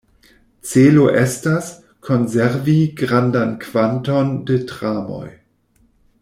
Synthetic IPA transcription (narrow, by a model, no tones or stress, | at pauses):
t͡seloʔestas | kʰonzeɾviɡʁandankv̥antondetʁaːmo̰j